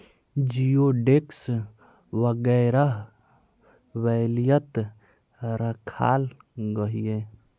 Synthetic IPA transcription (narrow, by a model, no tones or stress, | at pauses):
d͡ʒijoɖeks | wəɡɛɾəɦ | wɛlijət̪ | ɾəkʰa̰l | ɡəɦije